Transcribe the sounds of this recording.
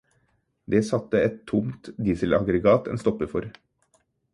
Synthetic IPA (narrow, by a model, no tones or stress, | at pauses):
d̪eːsɑt̪ːəɛt̪t̪ʰːʊmt̪d̪iːsəlɑɡɾəɡɑːt̪ʰɛ̰nst̪ɔpːəfɔɾ